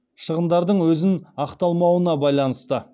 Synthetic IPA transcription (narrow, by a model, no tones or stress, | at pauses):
ʃəʁənd̪ɑɾd̪əɴwɵzɪnɑqt̪ɑlˠmɑwənɑbɑjlˠɑnəst̪ə